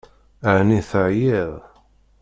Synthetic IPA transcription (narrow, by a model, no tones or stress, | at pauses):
əʕniθəʕjiðˤ